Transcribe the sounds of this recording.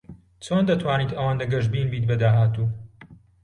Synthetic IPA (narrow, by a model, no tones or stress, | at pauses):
t͡sʰoːnd̪ɐt̪ʰwaːniːt̪ɐwaːnd̪ɐɡɐʒbiːnbiːt̪̚bɐd̪aːɦaːt̪uː